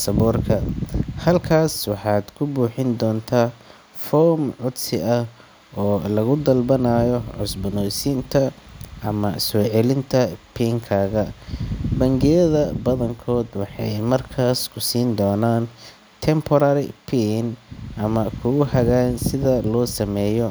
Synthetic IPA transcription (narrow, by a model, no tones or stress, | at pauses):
sɐβɔːrkʰɐhɐlkʰaːswɑħɑːd̪̥kʰʊbuːħɪnd̪ɔːnt̪ʰaː | fɔːmʕʊd̪sɪʔɐh | ɔːlɐɣʊd̪ɐlbɐnaːjɔʕʊsbɐnɔːsɪnt̪ʰɐʔɐmɐsɔːʕɛlɪnt̪ʰɐpʰiːŋkʰaːɣɐ | bɐŋɡɪjɐðɐbɐðɐŋkʰɔːd̪wɑħɑjmɐrkʰaːskʰʊsiːnd̪ɔːnaːn | t̪ʰɛmpʰɔɾaːɾɪpʰiːnʔɐmɐkʰʊɣʊhɐɣaːnsɪðɐlɔːsɐmɛːjɔ